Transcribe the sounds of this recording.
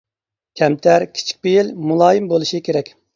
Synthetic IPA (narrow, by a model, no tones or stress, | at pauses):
kʲʰɛmt̪ʰæɾkʲʰi̥t͡ʃʰi̥k̚ʲbejilmulˠɑːjimbolˠuʃikʲʰeɾɛkʲ